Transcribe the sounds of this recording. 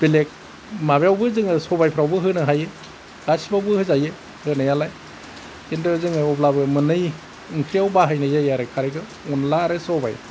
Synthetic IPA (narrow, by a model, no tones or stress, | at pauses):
b̥elek̚ | mabejawbɯzɯŋɯsɔbajpʰɾawbɯɦɯnɯɦajɯ | ɡ̥asibawbɯhɯzajɯ | hɯnɯjalaj | kendɯzɯŋɯɔblabɯmɯnɯj | ɯŋkʰɾijawbaɦajnɯjzajaɾɯkʰaɾajɡɯ | ɔnlaɾɯsɔba̰j